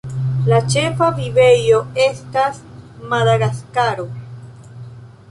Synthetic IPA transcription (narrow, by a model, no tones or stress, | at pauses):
lat͡ʃefaviβe̞jo̞e̞stasmaðaɣaskaɾo